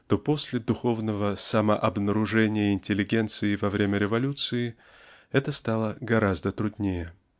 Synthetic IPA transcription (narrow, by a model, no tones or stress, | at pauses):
t̪opo̞sʲlʲɪd̪ʊxo̞vnəvəsaməʔɐbnəɾʊʐɛnʲɪjəɪnʲtʲɪlʲːɪɡʲe̞nt̪sɨɪvɐvɾʲemʲəɾʲɪvɐlʲut̪sɨɪ | ɛt̪əst̪alˠəɡɐɾazd̪ət̪ɾʊd̪ʲnʲejɪ